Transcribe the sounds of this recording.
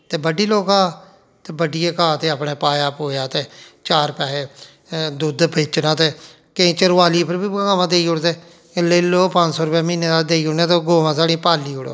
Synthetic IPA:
t̪eːbəɖiːloːkãː | t̪eːbəɖijeːkãːt̪eːapɳeːpaːjaːpɦoːjaːt̪eːt͡ʃaːɾpɛːeː | d̪ʊd̪peːt͡ʃnaːt̪eː | kẽːt͡ʃəɾʋaːliːpəɾbiːɡaːʋãːd̪eːiːʊɽt̪eː | leːloːpə̃t͡ʃsɔːɾʊpɛːmĩːneːd̪aːld̪eːiːʊɽẽːt̪eːɡoːʋãːsaːɽĩːpaːlːiːʊɽo̰ː

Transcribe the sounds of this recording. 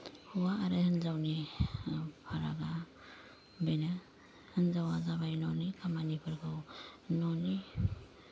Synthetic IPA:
huwaːɾɯhɯnzawni | pʰaɾa̰ɡa | bejna | hɯnzawazaβajnɔnikʰamanipʰɯɾkʰɯwnɔni

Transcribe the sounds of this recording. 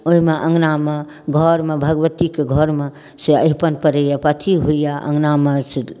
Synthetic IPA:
oɦimeʔə̃ŋɡname | ɡʱɔɾmebʱəɡəʋət̪ikeɡʱɔɾme | seə̰ɪpənpəɾejapət̪ʰiɦuijaʔə̰̃ŋɡnamesi

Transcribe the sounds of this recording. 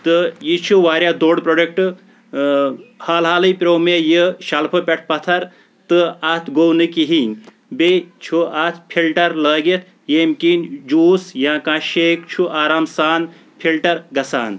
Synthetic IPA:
t̪ɨjit͡ʃʰuʋaːɾjad̪oːɖpɾoːɖek̚ʈɨ | haːlɦaːlɨjpʲɾoːmejəʃalpʰɐpʲeʈ̚ʰpɐt̪ʰɐɾ | t̪ɨat̪ʰɡownɨkiɦiŋ | bet͡ʃʰuat̪ʰpʰilʈɐɾləːɡet̪ʰ | jeːmkind͡ʒuːsjãːkãːʃeːkt͡ʃʰuʔaːɾaːmsaːn | pʰilʈɐɾɡɐsa̰ːn

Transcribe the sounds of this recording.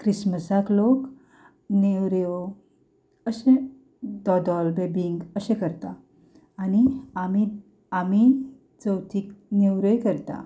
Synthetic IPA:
kɾisməsaklok | newɾo | əɕẽ | d̪ɔd̪ɔlbebiŋɡəɕẽkəɾt̪aː | niami | ami | t͡səwt̪ʰiːkneʋɾəjkəɾt̪a̰

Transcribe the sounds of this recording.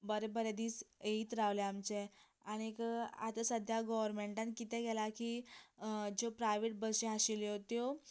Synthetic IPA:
bəɾebəɾed̪iːseit̪ɾaʋleamt͡se | aɽ̃ika̰t̪əsəd̪ʱjaɡɔʋəɾmeɳʈãnkit̪ɛ̃ɡɛlaki | d͡ʑopɾajʋeʈ̚bəɕeɦaɕiljot̪jo

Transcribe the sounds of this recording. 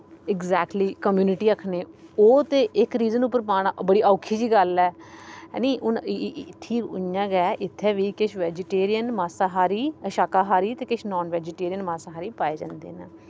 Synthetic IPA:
ɪɡzɛːk̚ʈliːkəmjuːnɪʈiːəkʰneːoːt̪eːʔɪkɾiːzənʊp̬ːəɾpaːɽaːbəɽiːʔaːkʰːiːd͡ʒiːɡəlɛ̰ːniːʔʊnt̪ʰːiːʊ̰jãːɡɛːʔɪt̪ʰːɛːʋiːkɪʃʋɛːd͡ʒɪʈeːɾijənmaːsaːɦaːɾiːəʃaːkaːɦaːɾiːt̪eːkɪʃnɔːnʋɛːd͡ʒɪʈeːɾijənmaːsaːɦaːɾiːpaːeːd͡ʒã̰ːnd̪ḛːnː

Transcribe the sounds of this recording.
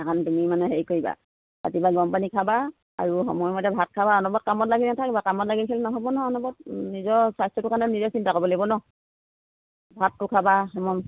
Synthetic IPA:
ɛkʰantumimanɛɦeɹjkoiba̰ | a̰tibaɡɔmpanikʰaba | a̰ɹuɦɔ̰mɔjɔmɔtɛbʱat̚kʰabaɔnɔbɔt̚kamɔtlaɡinatʰakibakamɔtlaɡikʰilɛnɔkʰabɔnɔɔnɔbɔt̚nizɔɹsajstɹɔtukʰanɛnizɔsintakɔbɔlebɔnɔ | bʱat̚ːukʰabaɦɔmɔm

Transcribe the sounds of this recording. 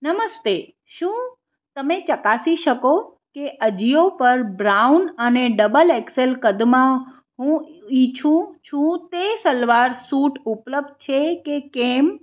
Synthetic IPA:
nəməst̪e | ʃũ | t̪əmet͡ʃəkasiʃəko | keʔəd͡ʒiopəɾbɾaunəneɖəbəlekselkəd̪mã | ɦũit͡ʃʰũt͡ʃʰũt̪esəlʋaɾsuʈupləb̚d̪̚t͡ʃʰekekem

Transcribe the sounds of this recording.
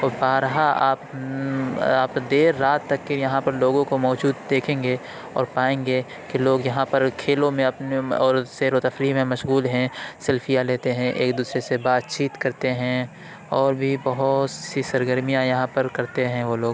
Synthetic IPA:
ɔːɾbaːɾɦaaːp | aːpd̪eːɾːaːt̪ːɐkːejɐɦãpɐɾloːɡõkomɔːd͡ʒuːd̪d̪eːkʰẽːŋɡe | ɔ̰ːɾpaːẽːŋɡe | keloːɡjɐɦãpɐɾkʰeːlõmẽɐpneɔːɾseːɾot̪ɐfɾiɦmẽmɐʃɣuːlɦɛ̃sɛlfʰijaleːt̪eɦɛ̃ʔeːkd̪uːsɾesebaːt̪t͡ʃiːt̪kɐɾt̪eɦɛ̃ | ɔːɾbʱibɐɦʊt̪sisɐɾɡəɾmijãjɐɦãpɐɾkɐɾt̪eɦɛ̃ʋoloːɡ

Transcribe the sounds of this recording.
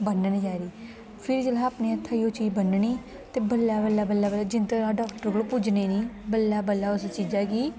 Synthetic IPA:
bənnĩd͡ʒaːɾiː | pʰɪɾd͡ʒəlaapneːət̪ʰːaːioːt͡ʃiːd͡ʒbənniː | t̪eːbəlːaːbəlːaːbəlːaːbəlaːd͡ʒɪnt̪eaːɖɔːkʈəɾɡolopʊd͡ʒneːnĩːbəlːaːbəlːaːʊst͡ʃiːd͡ʒaːkiː

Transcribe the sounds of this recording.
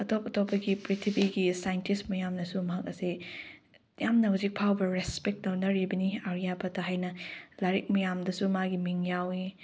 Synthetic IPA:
ɐtʰopɐtopːɐɡipɾitʰibiɡisajntismɐjamnɐsumɐɦɐk̚ɐsi | jamnɐhuzik̚pʰawbɐɾespek̚dɐwnɐɾibɐniaɾijabɐtʰɐɦajnɐlaɾik̚mɐjamdɐsumaɡimiŋjawi

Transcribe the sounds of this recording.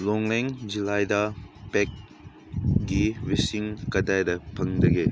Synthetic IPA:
lɔŋleŋd͡ʒilajdɐpek̚ | ɡiwisiŋkɐdajdɐpʰɐŋdɐɡe

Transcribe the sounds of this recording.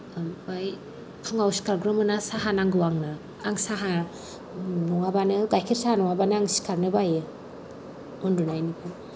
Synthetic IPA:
baj | kʰɯŋawsi̥kʰaɾɡɾɯmɯnasaɦanaŋɡɯwaŋnaː | ŋsaɦa | nɔŋabanɯɡajkʰiɾsahanɔŋabanɯaŋsi̥kʰaɾnɯbajɯ | ɔndunajnipʰɯ

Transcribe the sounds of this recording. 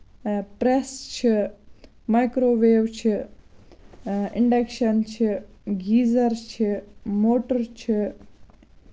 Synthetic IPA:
pɾest͡ʃʰi | majkɾoːʋeːwt͡ʃʰi | ɪɳɖekʃɐnt͡ʃʰiɡiːzɐɾt͡ʃʰimoːʈɐɾt͡ʃʰi

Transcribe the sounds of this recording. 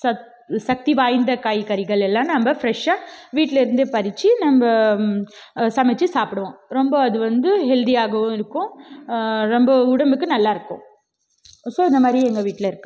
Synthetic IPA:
sɐ | sɐk̚t̪iʋaːjnd̪ɐkaːjkɐɾɪɣɐɭɛlːãːnɐmbɐfɾɛʂaːʋiːʈːlɪɾɯnd̪eːpɐɾɪt͡ʃːɯnɐmbɐ | sɐmɛt͡ʃːɯsaːpɪɽɐʋõɾɔmbɐɐðɯʋɐnd̪ɯɦɛld̪ijaːɣɐʋʊ̃ɪɾɯkːʊ̃ | ɾɔmbɐʊɽɐmbɯkːɯnɐlːaːɪɾɯkːʊ̰̃ː | soːɪnd̪ɐmaːd̪ɾiɛŋɡɐʋiːʈːlɐɪɾɯkːɯ

